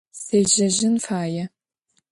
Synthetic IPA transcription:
seːʒɐʒɪnfaːjɛ

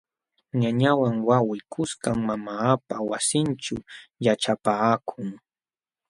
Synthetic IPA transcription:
ɲaɲawaŋwawɪkʰʊskaŋmamaːpawasɪnt͡ʃʊjaʈ͡ʂapaːkʰʊŋ

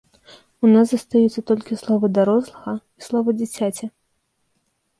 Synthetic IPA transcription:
unasɐst̪ajɛt̪sːɐt̪ɔlʲkʲislˠɔvɐd̪aɾɔslˠɐɣɐislˠɔvɐd͡zʲit͡sʲat͡sʲɐ

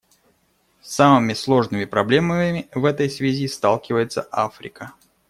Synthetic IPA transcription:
samɨmʲɪslˠo̞ʐnɨmʲɪpɾɐblʲe̞məmʲɪɪvɛt̪əjsvʲɪzʲist̪alˠkʲɪvəjɪt̪sə̰ʔafɾʲɪ̰kə

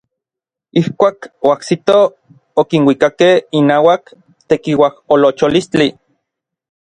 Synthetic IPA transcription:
ihkʷaːkoahsit̪o | okinwikakehinaːwak | t̪ekiwaholot͡ʃolist͡ɬi

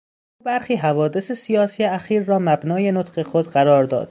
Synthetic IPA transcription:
uːbæɾxiːɦævɒːd̪esesijɒːsiːjeæxiːɾːɒːmæbnɒːje̞not̪ɢe̞xod̪ɢæɾɒːɾd̪ɒ̰ːd̪̥̚

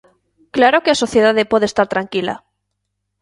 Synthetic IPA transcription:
klaɾo̞keaso̞θjeðaðepwe̞ðest̪aɾt̪ɾaŋkila̰

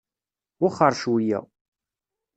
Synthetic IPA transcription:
ʊχəɾˤʃwijæ̰

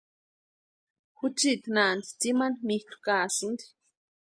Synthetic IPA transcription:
xut͡ʃit̪nant̪i̥t͡simanmihku̥kaːsɨnd̪i̥

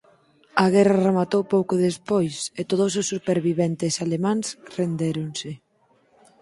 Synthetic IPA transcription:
ɐɣɛraremat̪owpowkoðespojset̪oðʊsosːupeɾβiβɛnt̪ɪsalemãŋsrend̪eɾoŋsɪ

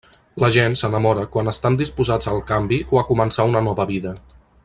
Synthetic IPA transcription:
ləʒensənəmɔɾəkwanəst̪and̪ispuzad͡zəlˠkambiʔoakumənsaunənɔβəβiðə

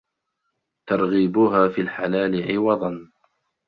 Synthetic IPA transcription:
t̪ɑɾˤɣiːbʊɦaːfiːlħalaːlɪʕɪwɑd̪ˤɑn

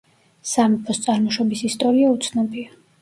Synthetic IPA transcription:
samɔpʰɔst̪sʼaɾmɔʃɔbisist̪ʼɔɾiaut̪sʰnɔbia

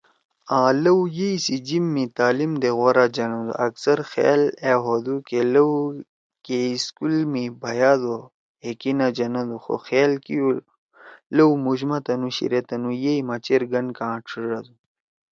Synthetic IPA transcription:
ãːlɐwjeisid͡ʑimːit̪aːlimd̪eɣoɾad͡ʑɐnɐd̪ṵʔɐksɐɾxḛːleːɦod̪ukelɐw | keiskulmibʱɐjaːd̪o | hekinad͡ʑɐnɐd̪uxo̰xeːlkiju | lɐwmuʑmɐt̪ɐnuɕḭɾet̪ɐnujeimɐt͡ɕeɾɡɐnkãːʈ͡ʂʰiʐad̪u

